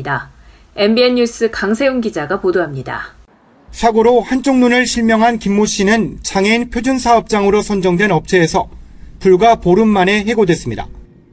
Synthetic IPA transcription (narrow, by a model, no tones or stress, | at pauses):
da | e̞nbieɲːus͈ɯkaŋsʰe̞joŋɡid͡ʑaɡapodoɦamɲida̰ | sʰaɡoɾohant͡ɕ͈ʰoŋnunɯɭɕʰiɭmjʌŋɦankimːoɕ͈inɯnt͡ɕaŋeinpʰjod͡ʑunsʰaʌp̚t͡ɕ͈aŋɯɾosʰʌnd͡ʑʌŋdwe̞nʌp̚t͡ɕʰe̞ːsʰʌpuɭɡwapoɾɯmːane̞ɦe̞ɡodwe̞s͈ɯmɲida̰